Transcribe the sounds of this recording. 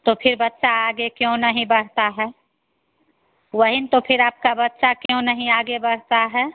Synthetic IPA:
t̪opʰɪɾbətːʃaaːɡekjõnəɦĩbəɽ̤t̪aɦɛ | wəɦint̪opʰɪɾaːp̚kabət̪ːʃakjõnəɦĩaːɡebəɽ̤t̪aɦɛː

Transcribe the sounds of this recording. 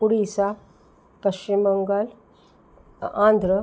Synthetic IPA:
puɽisa | kəɕt͡ʃimbəŋɡəl | ãnd̪ʱɾə

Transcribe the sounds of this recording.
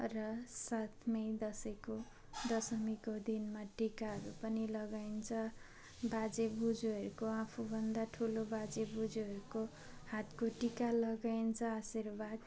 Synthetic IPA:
rʌsat̪ʰmʌjd̪ʌsʌko | d̪ʌsʌmikod̪inmaʈikaɦʌɾupʌnilʌɡaint͡sʰʌ | bad͡zebud͡zoɦʌɾukoãpʰubʱʌnd̪aʈʰulobad͡zebud͡zuɦʌɾuko | hat̪koʈikalʌɡaint͡sʰʌasirbad̪

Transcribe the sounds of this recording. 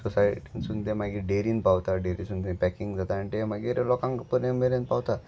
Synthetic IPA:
susajʈinsunt̪ẽmaɡiːɾɖeɾinpawt̪aɖeɾisunt̪ẽpɛkiŋɡd͡zat̪aɳʈemaɡiɾlɔkãŋkpəɾẽmeɾenpawt̪a

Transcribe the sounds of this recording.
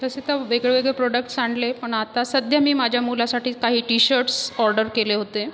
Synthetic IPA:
t̪əset̪aʋeɡɭeʋeɡɭepɾoɖək̚ʈsaɳɖlepəɳat̪asəd̪ʱjamiːmad͡ʑʱjamulasaʈʰiːkaɦiːʈiɕəɾʈsɔɾɖəɾkeleɦot̪e

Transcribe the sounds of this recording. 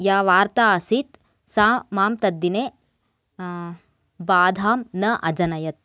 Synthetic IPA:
jaːʋaːɾt̪aːɐsit̪ | saːmaːmt̪ɐd̪ːineː | baːd̪ʱaːmnɐʔɐd͡ʒɐnɐjɐt̪̚

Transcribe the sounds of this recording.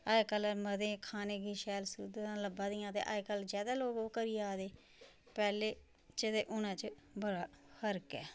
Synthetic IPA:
aːekələməd̪ẽːkʰaːneːɡiːʃɛːlsʊd̪t̪ãːləbãːd̪ɪjãːt̪ḛːʔa̰ekəld͡ʒjaːd̪aːloːɡoːkəɾiːeaːd̪eː | pɛːleː | t͡ʃɪd̪eːʔʊnãːt͡ʃə | bəɽaːhəɾkɛ̰ː

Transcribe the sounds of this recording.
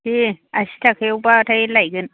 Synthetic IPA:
ʔeʔaʃi̥takajbatajilaɡɪn

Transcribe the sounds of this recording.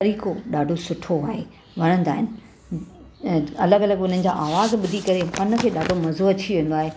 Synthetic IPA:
ɐɾiːkoɗaːɖʱosʊʈʰoaːɦe | ʋɐɾ̃ə̃nd̪a̰ːɦɪnɪ̆ | ɐləɡɐləɡʊn̤ənɪ̆d͡ʑaːʔaːʋaːzɓʊd̪ʱikɐɾepɐnə̆kʰeːɗaːɖʱomɐzoɐt͡ɕʰiʋẽːn̆d̪oaːɦe

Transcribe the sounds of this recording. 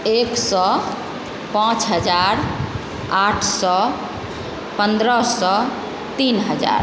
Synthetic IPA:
eksɔ | pãt͡ʃɦəd͡ʒaɾ | aʈʰsɔ | pənd̪ɾəsɔ | t̪inɦəd͡ʒa̰ɾ

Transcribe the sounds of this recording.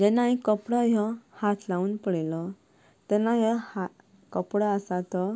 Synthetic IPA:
d͡ʑɛnaĩkəpɽɔjɔhat̪ʰlauːnpəɽelɔ | t̪ɛnajɔha | kəpɽɔəsat̪ɔ

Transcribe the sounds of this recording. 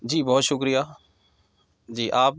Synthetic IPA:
d͡ʒiːbɔːt̪ʃʊkɾijaː | d͡ʒiːʔaːp

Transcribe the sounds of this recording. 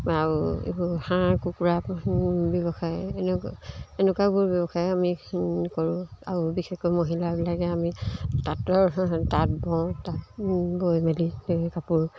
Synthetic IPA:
aɹuḭbuhãkukuɹapbjɔbɔxajnenukabuɹbjɔbɔxajamikoɹʊ̃a̰ɹubixexkojmoɦilaɹbilakɛamitatɔɹtat̚bɔ̃tatbojmelikapuɹ

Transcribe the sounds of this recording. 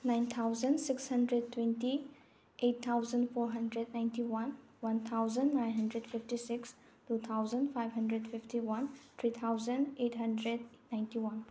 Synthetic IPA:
najnt̪ʰawzənsikshɐndɾed̚twẽnti | ʔett̪ʰːawzəndpʰɔɾɦɐndɾed̚najntiwan | want̪ʰawzəndːajnɦɐndɾɛdpʰiftisiks | tut̪ʰawzəndpʰajbɦɐndɾedpʰiftiwant̪ʰɾit̪ʰawzəndetɦɐndɾed̚najntiwan

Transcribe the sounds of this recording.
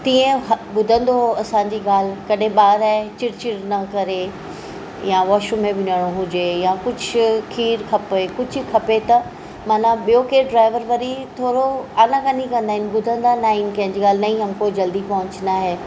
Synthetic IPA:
t̪ĩːẽɦɓʊd̪ʱə̃nd̪oɦoɐsãːɲd͡ʑiːɠaːl̤kɐɗẽɓaːɾat͡ɕɪɽt͡ɕɪɽnɐkɐɾe | jaʋɔːʃũmẽʋɪnəɽ̃oɦʊd͡ʑejakʊd͡ʑʱkʰiːɾkʰɐpekʊd͡ʑʱkʰɐpet̪ɐ | maːnãɓijokeːɖɾaːɪʋəɾʋɐɾit̪ʰoːɾoaːnãkanikɐ̃nd̪aːɦɪnɪ̆ɓʊd̪ʱə̃nd̪anaːɦɪnɪ̆kɐ̃ɦɪ̃ɲd͡ʑiːɠaːl̤ɪnɐĩɦɐmkoːd͡ʑɐld̪ipɐɦʊ̃ɲt͡ɕnaɦeː

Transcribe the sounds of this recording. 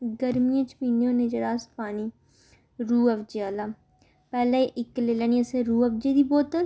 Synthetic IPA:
ɡəɾmijẽt͡ʃpiːnjõːned͡ʒəɾaːspaːniː | ɾuːəʋd͡ʒeaːlaː | pɛːlaeʔɪkleːləniəsẽɾuːɐʋd͡ʒeːd̪iːboːt̪əl

